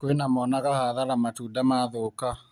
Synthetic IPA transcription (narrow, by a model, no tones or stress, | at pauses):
kwenamɔnaɣahaðaɾamatuːdamaðoka